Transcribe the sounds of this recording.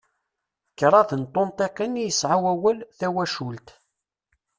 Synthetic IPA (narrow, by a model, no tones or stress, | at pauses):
kːɾˤɑθənt̪ˤːont̪ˤeqənijəsʕawæwəlθæwæʃult̪